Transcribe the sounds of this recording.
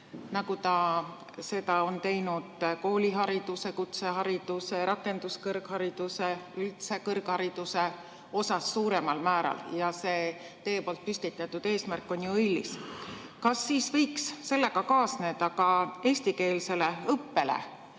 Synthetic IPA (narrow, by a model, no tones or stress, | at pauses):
nɑɡut̪ɑ | se̞d̪ɑo̞nt̪e̞jnud̪̥ko̞ːlʲiɦɑɾid̪̥use̞kut̪se̞ɦɑɾid̪̥use̞ɾɑkːˑe̞nd̪̥uskɤrɡhɑɾid̪̥use̞ylt̪se̞kɤrɡ̥hɑɾid̪̥use̞ | o̞sɑsːuːɾe̞mɑlmæːɾɑ̰ljɑse̞ː | t̪e̞ːpo̞lt̪̚pysʲt̪it̪ːˑɑt̪ːˑud̪̥e̞ːsmærkːˑo̞njuɤjlːḭskɑsːiːsvɤjksːe̞lːe̞kɑkɑːsne̞ːd̪̥ɑkɑe̞ːsʲt̪ike̞ːlse̞le̞ɤpːe̞lḛ